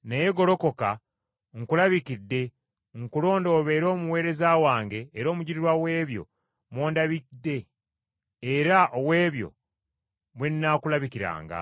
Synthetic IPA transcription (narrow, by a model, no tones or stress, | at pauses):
neje̞ɡo̞lo̞ko̞ka | ŋkulaβikidːe̞ | ŋkulo̞ːndo̞ːβe̞ːɾo̞ːmuwe̞ːɾe̞zaːwaːŋɡe̞ːɾo̞ːmuɟiɾiɾwawe̞ːβjo̞̰ | mwo̞ːndaβidːe̞ː | ɾaʔowe̞ːβjo̞̰ | mwenːakulaβikiɾa̰ːŋɡa̰